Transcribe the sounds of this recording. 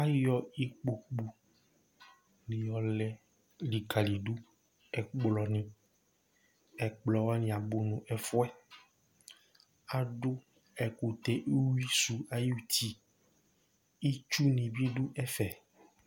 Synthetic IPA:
a˦jɔ˦i˦k͡po˨k͡pu˨ | li˨ɔ˨lɛ˨ | li˨ka˨li˨ɖu˦ | ɛ˨k͡plɔ˨nĩ˨ | ɛ˨k͡plɔ˨wa˦nĩ˨a˨bo˨nũ˨ʔɛ˨fɔ˦ɛ˦ | a˨ɖʊ˦ | ɛ˨ku˨t̪ɛ˦˨ʔe˦wi˦su˨a˨ju˦t̪i˨ | i˦t͡ʃu˦nĩ˨bi˦ɖu˦ʔɛ˦fɛ˨

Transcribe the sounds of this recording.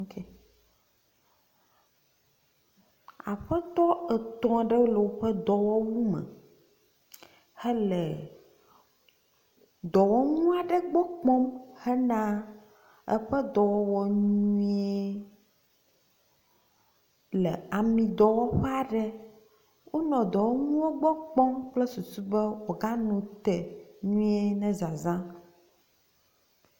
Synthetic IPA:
ke˨ | a̰˨ɸɛ˦t̪ɔ˦ɛ˨t̪ɔ̃˨ɖə˦wo˦lo˨wo˦ɸɛ˦d̪ɔ˨wɔ˦wu˦mə̰̃˨ | he˦le˨ | d̪ɔ˨wɔ˦ŋũ˦a˨ɖə˦ɡ͡bɔ˦k͡pɔ̃˦mhɛ˦nã˦ | ɛ̰˦ɸɛ˦d̪ɔ˨wɔ˦wɔ˨ɲũĩ˦e˦ | lɛ˨a˨mĩ˨d̪ɔ˨wɔ˦ɸa˦ɖɛ˦ | wʔo˦nɔ̃˨d̪ɔ˨wɔ˦ŋũ˦wɔ˦ɡ͡bɔ˦k͡pɔ̃˦mk͡plɛ˦su˨su˦bɛ˦wɔ˨ɡa˦nũ˨t̪ɛ˨ɲũ˦e˦nɛ̃˦za˨zã˦

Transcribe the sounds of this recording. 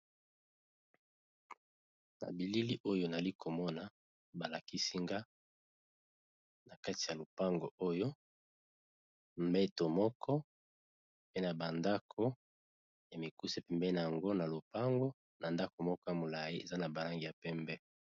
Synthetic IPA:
na̰˨bi˨li˦li˦ʔo˦jo˦na˨za˨li˦ko˨mɔ˦na˨ | ba˨la˨ki˦si˦ŋɡa˦ | na˨ka˦ti˨ja˨lo˨pa˦ŋɡo˨o˦jo˦ | mbɛ˦to˨mɔ˦kʰɔ˦ | pe˦na˨ba˨nda˦kʰo˦ | ja˨me˨ku˦se˦pɛ˦mbɛ˦na˨ja˨ŋɡo˦na˨lo˨pa˦ŋɡo˦ | na˨nda˦ko˨mɔ˦kɔ˦ja˨mo˨la˨ji˦ḛ˨za˦na˨ba˨la˦ŋɡi˨ja˨pɛ˦mbɛ˦

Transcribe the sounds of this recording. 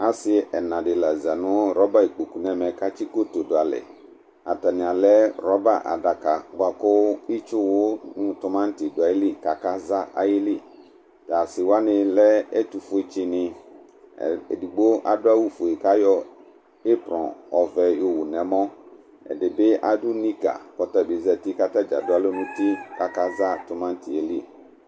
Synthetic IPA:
a˦sɪ˦ɛ˨nã˨dɪ˨la˨za˨nʊ̃˦ɾɔ˦ba˦i˨k͡po˨ku˨nɛ̃˦mɛ̃˨ka˦t͡ʃi˦ko˦to˨dʊ˨a˨lɪ̰˨ | a̰˨ta˨nɪ̃˨a˨lɛ˦ɾɔ˦ba˨ʔa̰˨da˨ka˨ɡ͡ba˨kʊ˦i˦t͡ʃʊ˦wʊ˦nʊ̃˦tʊ˦mã˦n̩˦tɪ˨dʊ˨a˨ji˦li˦ka˨ka˦za˦ʔa̰˨jɪ˦li˦ | ta˨sɪ˨wa˦nɪ̃˨lɛ˦ɛ˦tu˨fʊ˨˦e˨t͡ʃɪ˦nɪ̃˨ | ḛ˨di˨ɡ͡bo˦ʔa̰˨dʊ˦a˦wu˦fo˨i˨ka˦jɔ˦ | e˦pɾɔ̰̃˨ɔ˨vɛ˨jo˨wu˨nɛ̃˨˦mɔ̃˦ | ɛ̰˨dɪ˨be˦ʔa˦dʊ˦ni˦ka̰˨kɔ˨ta˦˨be˨zɛ˨ti˦ka˦ta˦d͡ʒa̰˨dʊ˦a˦lo˦nũ˦ti˦ka˨ka˦za˦tʊ˨mã˦n̩˦ti˨e˨li˦˨

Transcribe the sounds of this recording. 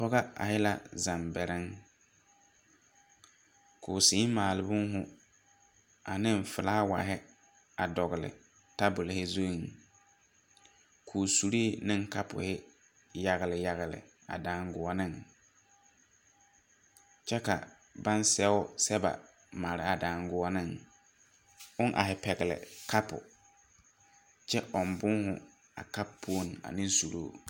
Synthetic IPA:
pɔ˦ɣa˦a̰˨hɪ˦la̰˦˨za˨mbɛ˨ɾɪ˦ŋ | kʰʊ˨si˨˦maː˨lɪ˨bʊ˦ŋ˦ɦʊ˨ | a˨nɪ˦m˨fɪ˨laː˦wa̰˨ɦɪ˦ | a˨dɔ˨ɣɪ˨lɪ̰˨ | ta˦bʊ˨lɪ˨hɪ˦zo˦i˨ŋ˨ | kʰuː˨su˨ɾi˦˨nɪ˦ŋka˦pʊ̰˨hɪ˦ | ja˦ɣɪ˨lɪ˨ja˦ɣɪ˨lɪ̰˨ | a̰˨daː˨˦ŋɡʊ˨ɔ˦nɪ̃˦ŋ | t͡ʃɛ˦ka̰˨ | ba˦nsɛ˦ʊ˦sɛ˦ba̰˨ | ma˨ɾɪ˦a˨daː˨ŋɡʊ˦ɔ˦nɪ˦ŋ | ʊ˦nʔa̰˨ɦɪ˨pɛ˨ɣɪ˨lɪ̰˨ka˦pʊ̰˨ | t͡ʃɛ˦ʔɔ˨mbʊ˦ŋhʊ˨ | a̰˨ka˦pʰːu˦o˦n˨a̰˨nɪ̃˦n˦su˨ɾoː˦˨

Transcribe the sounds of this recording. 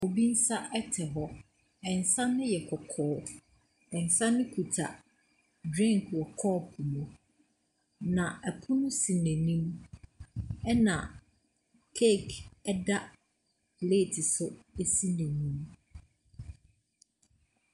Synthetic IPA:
o˨bi˦n̩˦sa˦ʔɛ˦tʰɛ˨ɦɔ˦ | ɛ˨n̩˨sã˦nɪ̃˦jɛ˨kʰɔ˨kʰɔː˨˦ | ɛ̃˨n̩˨sã˦nʊ̃˦kʰu˨tʰa̰˨ | dɾɛ̃˦˨ŋ˨kʰɔ˨kʰɔː˦˨pʰu˨mũ˨ | nã˨æ˨pʰʊ˦nʊ̃˦si˨nɛ̃˨nĩ˦m | ɛ˦nã˨ | kʰe˦˨kʰɛ˦da˦ | le˦˨tʰɪ˨sʊ˦e˦si˦nɛ̃˨nĩ˦m

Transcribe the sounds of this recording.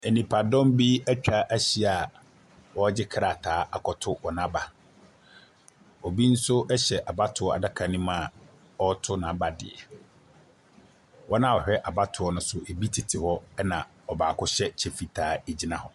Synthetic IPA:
e˨nĩ˨pʰa˨dɔ̃˦m˦bi˦æ˦t͡ɕᶣa˦ʔæ˦ɕi˦a˨ | wɔ˦d͡ʑɪ˦kʰɾa˨tʰaː˨˦ʔa˨kʰɔ˨tʰʊ˦wɔ˨nã˦ba˨ | ɔ˨bi˦n̩˦sʊ˦ʔɛ˦ɕɛ˨ʔa˨ba˦tʰʊ˨ɔ˨a̰˨da˦kʰa˨nĩ˦mã˦˨ | ɔ˦tʰʊ˦nã˨˦ba˨dɪ̰˨ɛ˨ | wɔ˦nã˦˨ɔ˨ɕᶣɛ˦ʔa˨ba˦tʰʊ˨ɔ˦nʊ̃˦sʊ˦e˨bi˦tʰi˨tʰɪ˨hɔ˦ɛ˦nã˨ | ɔ˨baː˨kʰʊ˦ɕɛ˦t͡ɕʰɛ˨fi˨tʰaː˨˦e˨d͡ʑi˦nã˨hɔ˨

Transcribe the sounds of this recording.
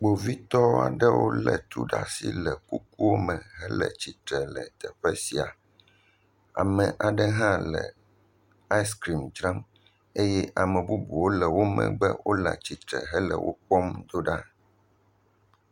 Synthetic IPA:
ɡ͡bo˨vi˦t̪ɔ˦a̰˨ɖɛ˦wo˦lɛ˨t̪ɾṵ˦ɖa˦si˦lɛ˨ku˦k̚u˦wo˦mɛ̃˨ɦɛ˦lə̰˨t͡ɕi˨t̪ɾɛ˨lɛ˨t̪ɛ˨ɸɛ˦si˨a˨ | a̰˨mɛ̃˨ʔa˨ɖɛ˦ɦã˦lɛ˨ | a˦jskɾi˨md͡ʒɾã˦m | e˦jɛ˦ʔa˨mɛ̃˨bu˦bu˨wo˦lɛ˨wo˦mɛ̰̃˨ɡ͡bɛ˦wʔo˦la̰˨t͡ɕi˨t̪ɾɛ̰˨ɦɛ˦lə̰˨wʔo˦k͡pɔ˦md̪o˦ɖa˦

